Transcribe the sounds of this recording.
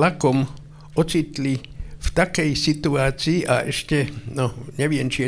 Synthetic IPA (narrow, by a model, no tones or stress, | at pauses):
akɔm | ɔt͡sit̪li | ft̪akɛjsit̪uaːt͡siːʔaʔɛʃcɛnɔɲɛʋɪɛmt͡ʃiɛ